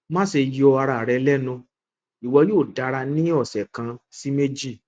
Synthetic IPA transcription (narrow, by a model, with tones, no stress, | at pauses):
mãː˦se˧ji˨˦ɔ˧a˧ɾa˧˨ɾɛ˧lɛ˦nũ˧ | i˨wɔ˧˦joː˦˨da˨˧˦ɾa˧nĩ˦ɔ˦˨sɛ˨kã˧si˦me˦d͡ʒi˦˨